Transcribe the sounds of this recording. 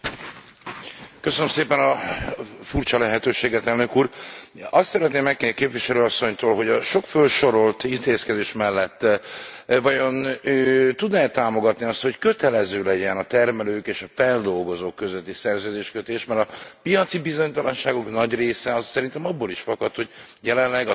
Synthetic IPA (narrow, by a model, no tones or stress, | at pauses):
kø̞sønømseːpɛnɒ | furt͡ʃɒlɛɦɛt̪øːʃeːɡɛt̪ɛlnø̞kuːrɒst̪sɛɾɛt̪neːmːɛkːekeːpviʃɛløːɒsːo̞ɲt̪oːlɦo̞ɟɒʃo̞kfølʃo̞ɾo̞lt̪int̪eːskɛd̪eːʃmɛlːɛt̪ː | vɒjo̞nøːt̪ud̪nɛt̪aːmo̞ɡɒt̪niɒst̪ho̞ckø̞t̪ɛlɛzøːlɛɟɛnɒt̪ɛrmɛløːkeːʃɒfɛld̪o̞lɡo̞zoːkːøzøt̪ːisɛrzøːd̪eːʃkøt̪eːʃmɛɾɒpijɒt̪sibizo̞ɲt̪ɒlɒnʃaːɡo̞knɒɟreːsɛɒzsɛɾint̪ɛmɒbːoːliʃfɒkɒt̪ho̞ɟ | jɛlɛnlɛɡɒ